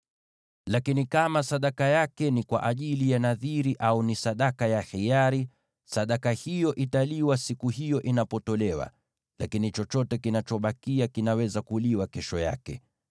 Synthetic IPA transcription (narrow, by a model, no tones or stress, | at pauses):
lakinikamasaɗakajakɛnikwa̰ʔaʄilijanaðiɾiʔaunisaɗakajahijaɾi | saɗakahijɔʔitaliwasikuɦijɔʔinapɔtɔlɛwa̰ | la̰kinit͡ʃɔt͡ʃɔtɛkinat͡ʃɔɓakiakinawɛzakuliwakɛʃɔja̰kɛ̰